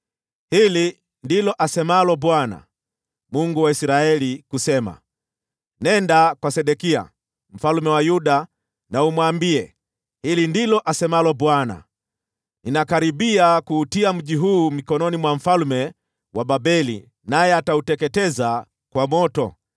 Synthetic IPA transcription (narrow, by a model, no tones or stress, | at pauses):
hili | ndilɔʔasɛmalɔɓwana̰ | muŋɡuwaisɾaɛlikusɛma̰ | nɛndakwasɛɗɛkia̰ | m̩falmɛwajuɗa | naumwambiɛ | hilindilɔʔasɛmalɔbwana̰ | ninakaɾiɓiakuːtiam̩ʄiɦuːmikɔnɔnimwam̩falmɛ | wʔaɓabɛlḭ | najɛatautɛkɛtɛza | kwamɔtɔ